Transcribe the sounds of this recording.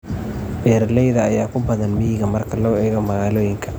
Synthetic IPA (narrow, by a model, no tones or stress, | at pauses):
bɛːɾlɛjðɐːjaːkʊbɐðɐnmɪɦɪɣɐmɐrkʰɐlɔːɛːɣɐmɐɣaːloːjɪŋkʰɐ̥